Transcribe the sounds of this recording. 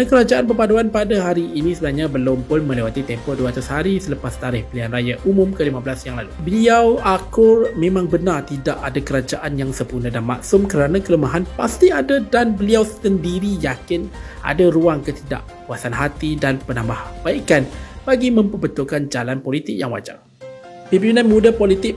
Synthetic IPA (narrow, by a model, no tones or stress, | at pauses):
nakəɾad͡ʒaʔanpərpaduanpadaɦaɾiːnĩsəbənahɲabəlʊmpʊnmə̃lewat̪it̪ɛmpɔʔduaat̪ashaɾisələpast̪aɾɪhpəlianrajaʔumʊ̃mkəlimabəlasjaŋlalubəliawʔakʊrmẽmãŋbənart̪idaʔadakəɾad͡ʒaʔanjaŋsəpunədanma̰ʔsʊmkəɾanakələmaɦanpast̪iadadanbəliawsəndiɾijakɪnʔa̰daɾuaŋkət̪ida̰ʔ | kuasanɦat̪idanpənãmbahb̥aikanb̥aɡimə̃mpəbət̪ʊlkand͡ʒalanpolit̪ɪk̚jaŋwa̰d͡ʒa̰r | pibinanmudapolit̪ɪk̚